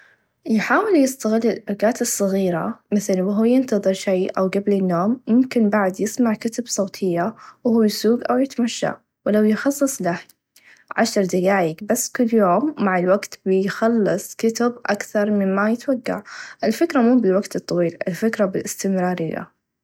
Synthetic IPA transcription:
jħaːwɪljɪst̪aɣɪlːɪlʔaɡaːt̪ɨsˤːɑɣiːɾa̰mɪθlwɦuːjɪnt̪ɑðˤɨɾʃajʔawɡablɪnːoːmjʊmkɪnbaʕd̪jɪsmaʕkɪt̪absˤoːt̪ʰɪjːawhuːjsuːɡʔawjɪt̪maʃːa̰ | wɪlawjɪxɑsˤːɨsˤlah | ʕaʃɑɾˤd̪ajaːjɪkbasːkʊlːjoːmːaʕɪlwaɡt̪bɪjxɑlːɨsˤkɪt̪ɪbʔakθɑɾˤmɪnmajɪt̪waɡːa̰ʕʔɪlfɪkɾˤɑmuːbɪlwaɡt̪ɨt̪ˤːɑwiːlʔɪ̰lfɪkɾˤɑbɪlʔɪst̪ɪmɾɑːɾɪ̰jːa̰

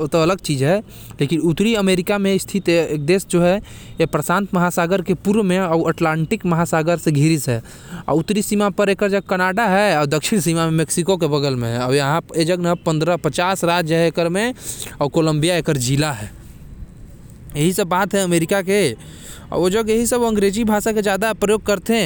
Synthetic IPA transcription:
t̪oɐləɡ̚t͡ʃiːd͡ʒɦɛ | leːkɪnut̪ɾiəmeːɾɪkamẽɪst̪ʰɪt̪ek̚d̪eːsd͡ʒoːɦɛ | jepɾəsãːnt̪məɦasaːɡəɾkepuɾʋmẽɔːəʈlãːɳʈɪkmɐɦasaːɡəɾseɡʱiɾisɦɛ | ɔ̰ʊt̪ːɾisimapəɾeːkəɾd͡ʒəɡ̚kənaːɖaɦɛɔːɾd̪əkʃɪnsimamẽmeksikok̬ebəɡəlmḛ̃ɦɛɔːjɐɦãed͡ʒəɡnɐpə̃nd̪ɾəpət͡ʃaːsɾaːt̪d͡ʒəɦɛekəɾmẽɔːkoːlə̃mbijaeːkəɾd͡ʒilaɦɛː | jɐɦisəbːaːt̪ɦɛəmeːɾɪkake | ɔ̰ːɾod͡ʒəɡjɐɦisəboɐ̃ŋɡɾeːd͡ʒibʱaːʃaked͡ʒjaːd̪apɾəjoːɡ̚kəɾt̪eɦɛ̃

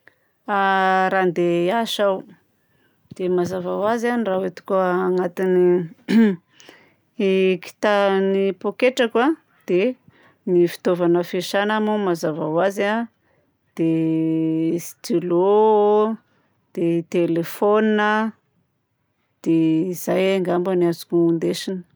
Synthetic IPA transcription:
aɾand̪eaʃaw | d̪̥emazavawazanirawet̪u̥kuanat̪ini | ki̥t̪anipokeʈ͡ʂaka | d̪̥e | nifi̥t̪ovanəfeʃanamumazavawaza | d̪̥e | st̪ilo | d̪̥et̪elefoninə | d̪̥eizajaŋɡambəniazukʲuund̪eʃinə̥

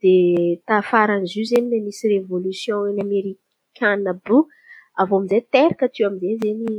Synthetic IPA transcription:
d̪̥et̪afaɾanizuzeninemisirevolysjɔ̃enameɾi | kʲʰanəbu | avoamizet̪eɾakət̪iwamizezeni

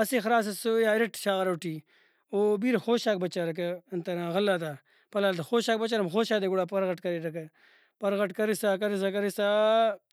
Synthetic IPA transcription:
ɐsexɾaːs̬ɐsojaːɾɐʈʃaːɣɐɾɐwʈiː | oːbiːɾxoːʃaːk̚bɐt͡ʃaːɾɐk̬ɐɐnt̪ɐɾãːɣɐlːaːt̪a | pɐlaːlt̪ɐxoːɕaːk̚bɐt͡ʃaːɾɐmxoːʃaːd̪eɡuɽaːpɐɾɣɐʈkɐɾiɾɐk̬ɐ | pɐɾɣɐʈkɐɾisaːkɐɾis̬ak̬ɐɾisa

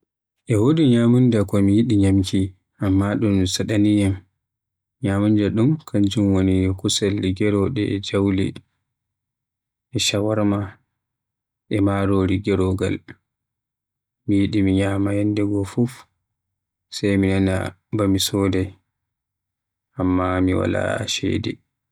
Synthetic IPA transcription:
ʔɛwodiɲamundakɔmijiɗiɲamkʰi | ʔamːaɗumsaɗanijam | ɲamundaɗumkʰaɲd͡ʒumwonikusalːiɡɛɾɔɗɛɛd͡ʒawlɛ̰ | ʔɛʃawaɾma | ʔɛmaɾɔɾiɡɛɾɔɡa̰l | mijiɗimiɲamajɛndɛɡɔfuf | sajminana̰ | bamisɔːdɛ | ʔamːamiwa̰la̰a̰ʃɛ̰ːdɛ̰

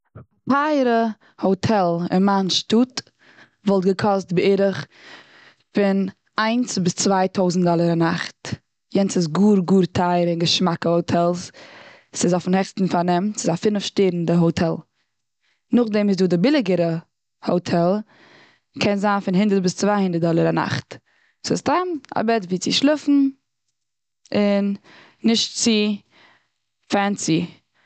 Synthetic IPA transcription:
tʰaɪɾə | hoʊtʰɛlˠɪ̰nmanʃtuːt | vɔlˠtɡəkʰɔstbɪɪɾəχ | fɪn | aɪnsbɪst͡svaɪtʰoʊzn̩tdɔlˠəɾanaχt | jɛnsɪs̬ɡuːɾɡuːɾtʰaɪəɾɪnɡəʃmakəhoʊtʰɛlˠs | sɪzɔfn̩hɛχstn̩fanɛmsɪzafɪnəfʃteːɾn̩dɪɦotʰɛlˠ | nʊχdɛmɪz̬duːdɪbɪlˠɪɡəɾə | hoʊtʰɛlˠ | kʰɛnzaːnfɪnɦɪndəɾt̚bɪst͡svahɪndəɾ̚dɔlˠəɾana̰χt | sɪstama̰bɛtviːt͡sɪʃlˠɪfn̩ | ɪnː | ɪʃtt͡sɪ | fɛnt͡si

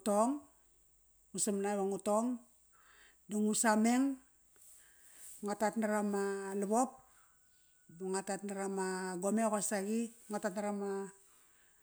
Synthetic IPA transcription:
toŋ | usamnaβaŋuto̞ŋ | duŋusame̞ŋ | ŋatatnaɾamalabo̞p̚ | buŋatatnaɾamaɡomekasaɡiŋatatnaɾama

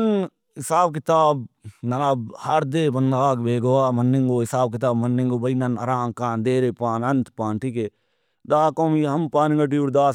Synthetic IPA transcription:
n | hɪsaːb̚kɪt̪aːb̚nɐnabhɐɾd̪eːbɐnd̪aːkbeːɡowaːmɐnːĩŋɡoːɦɪsaːb̚kɪt̪aːbmɐnːĩŋɡobɐinɐnɐɾãːŋkãːnd̪eːɾepãːnɐnt̪pãːɳʈike | d̪aːkõːmiɦɐmpaːnĩŋɡɐʈ̬iɾd̪aːs

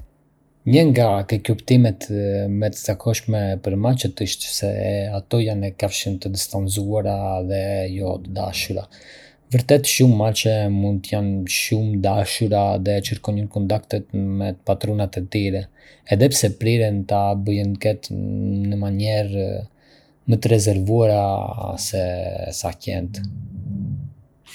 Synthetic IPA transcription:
ɲəŋɡakɛkupt̪imɛt̪mɛt̪ə̥zakʰɔʃmɛpəɾmat͡ʃət̪əʃt̪sɛ̰at̪ɔjanɛkafʃənt̪əd̪ist̪anzuaɾaðɛjɔt̪əd̪a̰ʃuɾa̰ | vəɾt̪ɛt̪ʃumːat͡ʃɛmund̪̚t̪əjanʃumd̪aʃuɾaðɛt͡ʃəɾkɔɲənkɔnt̪akt̪ɛt̪mɛpat̪ɾɔnat̪ɛt̪iɾɛ | ɛðɛpsɛpɾiɾɛnt̪abəjənkɛt̪nəmaɲɛɾ | mət̪əɾɛzɛɾvuaɾasɛsacɛ̰nt̪

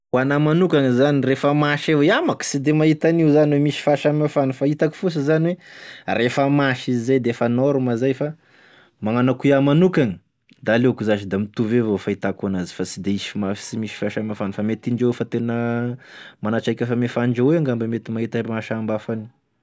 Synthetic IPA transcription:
wanamanukʲaŋizanirefəmaʃewamaki̥sid̪emaɦit̪aniwzaniwemisi̥faʃamafanufait̪aki̥fus̬əzaniwerefəmaʃizizajd̪eefanoɾumazajfa | maŋanakuiamanukaŋi̥ | d̪aːlekuzaʃid̪amit̪uvevofait̪akanazi̥fasi̥d̪eisi̥fmai̥simiʃi̥faʃamafanufamet̪iɳd͡ʒewfat̪enə | manat͡ʃajkʲefəmefaɳd͡ʒeweaŋɡambemet̪imaɦit̪amaʃambafani

